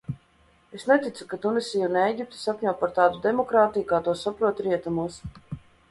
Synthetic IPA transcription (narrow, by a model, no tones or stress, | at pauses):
esnet̪it̪sukat̪unisʲijunɛjɡʲip̚t̪i̥sakɲʲuːt̪̚paɾt̪aːd̪ud̪emɔkɾaːt̪ijukaːt̪uɔsapɾuɔt̪ɾiɛt̪amuɔs